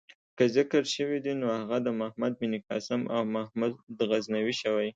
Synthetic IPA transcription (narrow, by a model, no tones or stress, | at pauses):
kəzɪkəɾʃəwid̪inoaɣad̪əmahmad̪̚binikɑ̰sɪmʔawmahmud̪d̪ɣaznawiʃəwaj